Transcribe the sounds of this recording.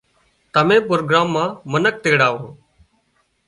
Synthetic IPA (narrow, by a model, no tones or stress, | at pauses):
t̪əmẽːpɾoːɡɾaːmːãːmənək̚t̪eːɽaːɦoː